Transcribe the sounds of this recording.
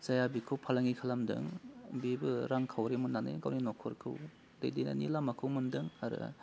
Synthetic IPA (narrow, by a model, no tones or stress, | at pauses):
z̥ajabikʰɯwpʰalaŋikʰalamdɯ̰ŋbibɯɾaŋkʰawɾemunːanḛɡawninɔkʰɔɾkʰɯw | dejdijna̰nḭlamakʰɯwmɯndɯŋaɾɯ̰